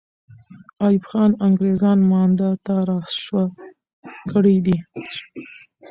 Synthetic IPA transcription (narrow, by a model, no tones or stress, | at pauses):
ɑjɪfxɑnaŋɡɾezɑnmɑnd̪at̪aɾɑsʃwa | kəɽid̪i